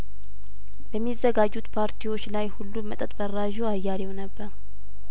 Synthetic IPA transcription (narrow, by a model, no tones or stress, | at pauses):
bəmːizːəɡad͡ʒːut̪pʰaɾt̪ʰiwo̞t͡ʃːlajhulːumət̪ʼət̪ʼbərːaʒoajːalɛwnəbːəɾ